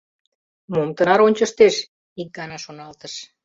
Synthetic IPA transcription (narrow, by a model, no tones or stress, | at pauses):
momt̪ənɑɾonʲt͡ɕəʃt̪eʃ | ik̚ɡɑnɑʃonɑlt̪əʃ